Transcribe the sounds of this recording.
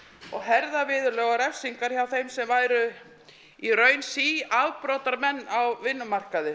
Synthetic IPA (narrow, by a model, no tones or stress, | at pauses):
ɔɣɦɛɾðavɪːðʏɾlœːɣaɾɛfsiŋkaɾ̥çawθejmsɛmvaːjɾʏ | irœːɥnsiavpɾɔːt̪aɾmɛnːawvɪnːʏmar̥kaðɪ